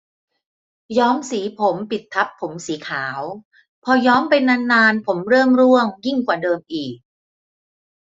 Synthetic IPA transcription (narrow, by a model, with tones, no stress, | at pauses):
jɔː˦˥msiː˩˦pʰo˩˦mpi˨˩t̪ʰːa˦˥pʰːo˩˦msiː˩˦kʰaː˩˦w | pʰɔː˧jɔː˦˥mpa˧jnaː˧nːaː˧npʰo˩˦mɾɤː˥˩mɾu˥˩əŋji˥˩ŋkwaː˨˩dɤː˧mʔiː˨˩k̚